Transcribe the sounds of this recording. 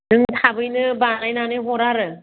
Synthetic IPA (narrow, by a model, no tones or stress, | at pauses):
dɯŋtʰabɯjnɯbanajnanɯjɦɔɾaɾɯ